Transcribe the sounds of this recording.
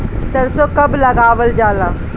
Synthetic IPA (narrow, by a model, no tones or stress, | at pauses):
t̪ɐɾsokɐblɐɡaːʋəld͡ʒaːlaː